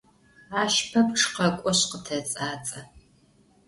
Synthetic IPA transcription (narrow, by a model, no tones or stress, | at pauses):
aːʃpʰɐpʈ͡ʂqɐkʷʼɔɕqətʰɐt͡sʼaːt͡sʼɐ